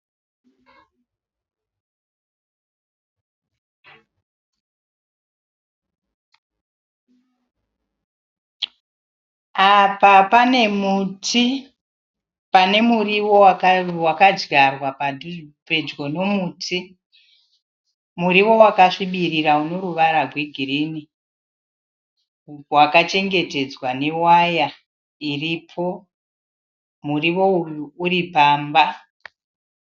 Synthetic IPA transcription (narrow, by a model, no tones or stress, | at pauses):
apapane̞mutʰi | pane̞muriwowawakad͡ʒɡarwapape̞d͡ʒɡo̞no̞muːtʰi | muɾiwo̞wakaʂiɓiriɾauno̞ɾuʋaɾaɡʱweɡʱirini | wakat͡ʃe̞ŋɡe̞te̞d͡zwane̞waja | iripʰo̞ | muriʋo̞uripaːmba